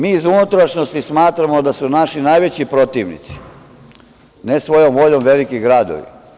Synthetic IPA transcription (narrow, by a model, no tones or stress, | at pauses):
miːizunut̪ɾaʃnost̪ismaːt̪ɾamod̪asunaʃinajʋet͡ɕipɾo̞t̪iʋnḭt̪si̥ | nesʋo̞jomʋo̞ʎomʋe̞likiɡɾaːd̪o̰ʋḭ